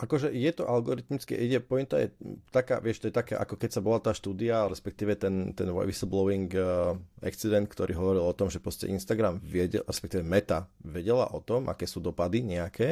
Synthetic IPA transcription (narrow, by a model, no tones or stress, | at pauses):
ʔakɔʒɛjɛt̪ɔʔalɡɔɾit̪mit͡skɛ̰ʔiɟɛpɔjɛmt̪a̰jɛ̰t̪aka̰ːʋɪɛʃt̪ɔjɛt̪akɛ̰ːʔa̰kɔkɛcsabɔlat̪aːʃt̪uːd̪iaɾɛspɛk̚t̪iːʋɛt̪ɛnt̪ɛnʋɔ̰ʋisl̩blɔʊiŋɡ | a̰kt͡sid̪ɛnt̪̚kt̪ɔɾʔḭːɦɔʋɔɾilˠɔt̪ɔmʒɛpɾɔscɛ̰ʔinst̪aɡɾamʋɪɛɟɛ̰ɾɛspɛkt̪iːʋɛmɛt̪aʋɛɟɛla̰ʔɔt̪ɔmʔa̰kɛːsuːd̪ɔpad̪iɲɛakʰɛː